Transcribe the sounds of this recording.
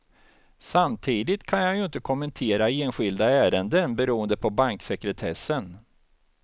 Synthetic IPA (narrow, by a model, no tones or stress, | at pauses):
samt̪ʰiːd̪ɪt̪kʰanjajɵɪnt̪əkʰɔmɛnt̪ʰeːɾaeːnɧɪld̪aæːɾənd̪ənbɛɾuːənd̪əpʰɔbaŋksɛkɾɛt̪ʰɛsːən